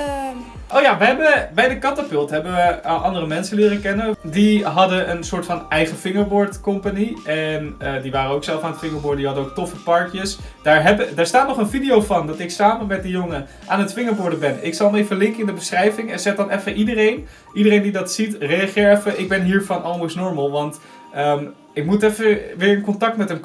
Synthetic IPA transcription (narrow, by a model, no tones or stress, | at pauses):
ʔowjaʋəɦɛbəbɛjdəkɑntapʏlˠtɦɛbəʋəʔɑndərəmɛnsəlɪːrəkɛnədiɦɑdəʔənsʊːɹtfɑnɛjχəfɪŋəɹbʊːɹtkʊmpaniɛnədiʋaːɾənowksɛlˠfaːnətfɪŋəɹbʊːɹddiɦɑdənowk̚tɔfəpɑɹkjəsd̥aːɹɦɛbədaːɹstaːtnɔχənvidijowvɑndɑtɪksaːməmɛt̚dəjoŋə | ʔaːnətfɪŋəɹbʊɹdəbɛnɪksɑlˠənejfəlɪŋkəɪndəbəsrɛjvɪŋɛnzɛχdɑnɛfəʔidərejn | idərejndidɑtsitrejaχɪːɹɛfəʔɪɡ̚bɛnɦiːɹvɑnʔɑlˠmosnɔɹməlˠʋɑnt | əm | ɪk̚mutɛfəʋɪːɹənkɔntɑk̚tmɛtən